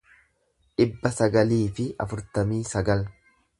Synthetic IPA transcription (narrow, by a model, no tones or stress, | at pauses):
ᶑɪbːɐsɐɡɐliːfɪɐ̰fʊɾt̪ɐmiːsɐɡɐl